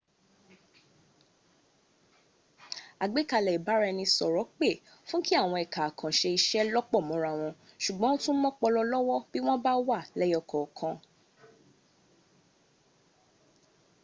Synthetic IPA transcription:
a˨ɡ͡be˦ka˧˨lɛ˨i˨ba˨˦ɾɛ˧nĩ˧sɔ˨ɾɔ˨˦k͡pe˦˨ | fũ˦ki˦a˦˨w̃ɔ̃˧ɛ˨ka˨kʰã˨ʃe˧i˧ʃɛ˦lɔ˦k͡pɔ˦˨mɔ̃˨˧ɾa˦˨w̃ɔ̃˧ | ʃu˨ɡ͡bɔ̃˨˦o˦tũ˦mɔ̃˦k͡pɔ˧lɔ˧lɔ˦wɔ˦b̥i˦w̃ɔ̃˦ba˦wa˦˨lɛ˦ɔ˦˨kʰɔ˨kʰã˧

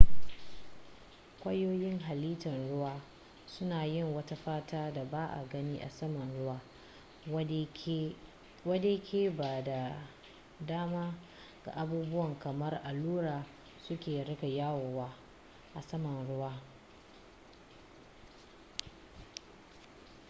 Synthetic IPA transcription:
kʷɐ˦joː˦jɪ˦ŋɦa˨liː˦tɐ˨nɽʊ˦waː˦ | sʊ˦naː˨jɪ˦˨ŋwɐ˦ta˦ɸaː˦taː˦da˨baː˦ʔa̰˨ɡɐ˦niː˦ʔa̰˨sɐ˦mɐ˨nɽʊ˦waː˦ | wɐ˦deː˦kʲʰeː˦ba˨da˨ | daː˦maː˦ | ɡ̥a̰˨ʔa˨buː˦bʊ˦wɐ˨ŋkɐ˨mɐ˦rʔa˨luː˦ɽaː˨ | sʊ˦kʲeː˨ɽɪ˦ka˨jaː˦woː˨waː˦ | ʔa˨sɐ˦mɐ˨nɽʊ˦waː˦

